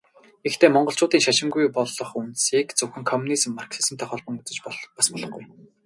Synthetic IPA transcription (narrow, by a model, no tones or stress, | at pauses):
ext̪ʰeːmɔɴɢɞ̆ɬt͡ɕʊːt̪iːŋʃaʃɪ̆ŋɡujpɔɮɞ̆χunt̪siːkt͡sɵxɘ̆ŋkʰɔmunis̆mːarksisɘ̆mt̪ʰɔχɔːɮpɞ̆ŋut͡sɘ̆t͡ɕpɔɮpaspɔɮɞ̆χɡuj